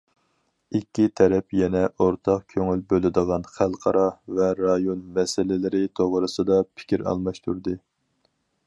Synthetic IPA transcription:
ikʲːit̪ʰɛɾɛpjɛnɛʔoɾt̪ʰɑqkʲʰøŋylbølɪd̪əʁɑnχælˠqʰɑɾɑvɛɾɑjonmɛsɪlɪlɪɾɪt̪ʰoʁɾɨsɨd̪ɑpʰɪ̥kʲiɾɑ̰lˠmɑʃt̪ʰuɾd̪ɨ

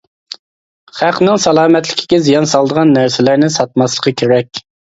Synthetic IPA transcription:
χæqʰnɨŋsɑlˠɑːmɛt̪lɪkʲʰi̥ɡʲɛzijɑnsɑlˠd̪əʁɑnːæɾsɪlæɾnɪsɑt̪̚mɑslˠə̥qʰəkʲʰeɾɛkʲ

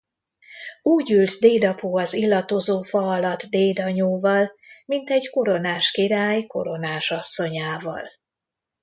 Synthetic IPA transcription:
uːɟylt̪d̪eːd̪ɒpuːɒzilːɒt̪ozoːfɒɒlɒt̪d̪eːd̪ɒɲoːvɒlmint̪ɛɟko̞ɾo̞naːʃkiɾaːjko̞̰ɾo̞naːʃɒsːo̞ɲaːvɒ̰l

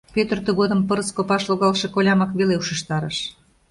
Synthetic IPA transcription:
pʲøt̪ərt̪əɣod̪əmpəɾəskopɑʃloɣɑlʃekolʲɑmɑkβeleuʃə̆ʃt̪ɑɾəʃ

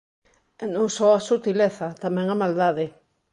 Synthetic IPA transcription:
enõŋsoasut̪ileθat̪amẽŋamald̪aðe

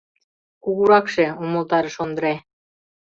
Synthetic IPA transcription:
kuɣuɾɑkʃeumolt̪ɑɾə̆ʃond̪ə̆ɾe

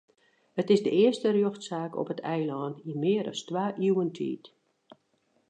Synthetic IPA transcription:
hətɪzdəɪərstərjøxtsaːkɔ̰pətʰɛjlɔːntimɪːəɾɔ̰stʋaːʔiwəntʰḭːt

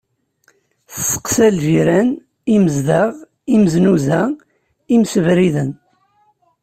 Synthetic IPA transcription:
θsːə̥qsælʒiɾæn | iməzðaʁ | iməznuzæ | imsəvɾiðən

